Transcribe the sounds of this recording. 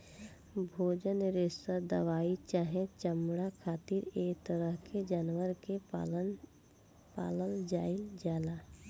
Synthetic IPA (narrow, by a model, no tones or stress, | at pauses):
bʱoːd͡ʒənɾesəd̪əʋaːit͡ʃaːɦẽt͡ʃəmɽakʰaːt̪iɾeːkt̪əɾəɦkʰed͡ʒaːnwəɾke | pa̰ːləld͡ʒaːild͡ʒaːla